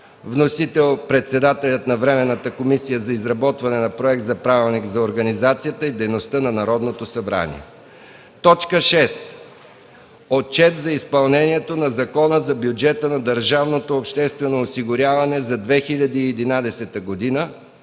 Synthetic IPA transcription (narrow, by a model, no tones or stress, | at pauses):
vnosit̪ɛlˠpɾɛt̪sɛd̪at̪ɛlʲɐt̪nɐvɾɛmɛnːət̪əkomisijəzɐizɾɐbɔt̪vɐnɛnɐpɾoɛk̚t̪zɐpɾavilˠnikzɐoɾɡɐnizat̪sijət̪əid̪ɛjnost̪ənɐnɐɾɔd̪not̪osɐbɾa̰nḭɛ̰ | t̪ɔt͡ʃkəʃɛs | ott͡ʃɛt̪zɐispɐlˠnɛniɛt̪onɐzɐkɔnəzɐbʲjud͡ʒɛt̪ənɐd̪əɾʒavnot̪oːpʃt̪ɛst̪vɛnoːsiɡʊɾʲjavɐnɛzɐd̪vɛxiʎʲɐd̪iːɛd̪inad̪ɛsɛt̪əɡod̪inə